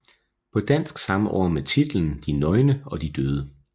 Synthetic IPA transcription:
pʰɒ̽d̥æn̰sɡ̥sɑ̈məʔɒ̰ːmet͡sʰid̥l̩n̩d̥inɒ̽ɪnəɒ̽d̥id̥øːð̞ˠə

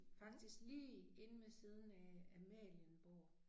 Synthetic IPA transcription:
fɑ̈ɡ̥̚d̥isɡ̥liːe̝nəmesið̞ˠn̩ææmɛ̰lənb̥o̝̰ː

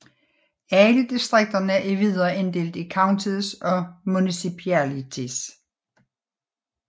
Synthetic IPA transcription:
æləd̥isd̥ʁeɡ̥̚d̥ɐnəæɐʔeʋið̰ˠɐend̥e̝̰ld̥ikʰɑ̈ʊnt͡sʰiðˠsɒ̽munisipʰælit͡sʰis

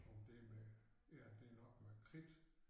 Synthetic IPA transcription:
od̥eme | æd̥e̝nɒɡ̥mekʰʁid̥

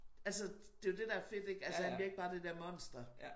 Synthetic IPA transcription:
æls̬ə | d̥e̝jod̥e̝d̥ææɐfe̝d̥e̝ɡ̥ælsəhænbliɐeɡ̥̚b̥ɑ̈ːd̥e̝d̥æɐmɒ̽n̰sd̥ɐ

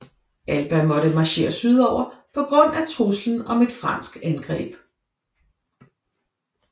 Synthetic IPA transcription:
ʔælb̥æmɒ̽ɾəmɑ̈ɕe̝̰ːɐsyð̞ˠɒʊ̰ɐpʰɒ̽ɡ̥ʁɔ̽n̰æt͡sʰʁusln̩ɒ̽me̝d̥fʁɑ̈n̰sɡ̥ænɡ̥ʁɛ̰ːb̥

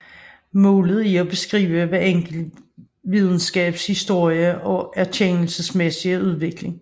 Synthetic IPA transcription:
mɔːləð̞̩ˠiɒ̽b̥e̝sɡ̥ʁḭːʊəʋæɐeŋ̰ɡ̥l̩ | ʋið̞ˠn̩sɡ̥ɛ̰ːb̥shisd̥o̝ɐ̰jəʔɒ̽æɐt͡ɕʰeŋl̩səsmesiəuð̞ˠʋe̝ɡ̥le̝ŋ

